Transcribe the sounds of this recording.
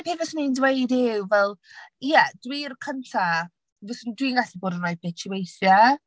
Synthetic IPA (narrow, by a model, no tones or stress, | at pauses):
pʰeːvɛsnendwejdɪwvɛlˠjɛdwirkʰəntʰa | vɛsndwiŋɡaɬiboːdənajbɛt͡ʃʰuwejθja